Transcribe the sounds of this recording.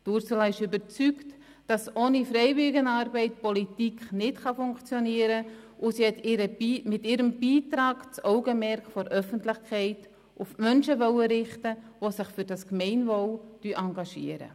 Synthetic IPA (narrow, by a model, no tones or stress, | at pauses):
tuɾsɛlɑɪʃʏbəɾt͡sykt | d̥ɑsoːnifɾɛɪvɪɡənɑːɾbɛɪt̚pɔlitikχnɪtχɑfʊŋkt͡sjɔniəɾəʔʊsiɛtɾəmɪtɪɾəmb̥iːtɾaːɡt͡soʊɡəmɛɾkfɔɾʔœfəntlɪχkʰɛɪt | ʔʊfmœnʃəvœwəɾɪχtəʋosɪχfʏɾd̥ɑskmɛɪnvowd̥yʔɑŋɡɑʃḭəɾə̰